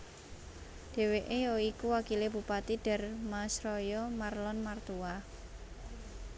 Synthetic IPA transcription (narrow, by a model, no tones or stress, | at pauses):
d̪̥e̤weʔejɔikuwakileb̥upat̪iɖ̥ɛ̤rmasɾɔjɔmarlɔnmart̪uwa